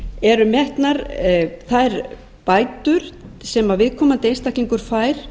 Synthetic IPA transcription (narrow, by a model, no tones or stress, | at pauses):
ɛɾʏmjɛht̪naɾθaðɛɾ | paːjt̪ʏɾ̥sɛmavɪðkʰɔːmant̪ɪejnst̪ahkliŋkʏɾ̥faːjɾ̥